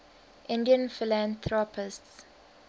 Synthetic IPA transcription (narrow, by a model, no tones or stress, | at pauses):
ʔɪ̃ndiə̃nfɪlãnt̪ʰɹɔpʰɪsts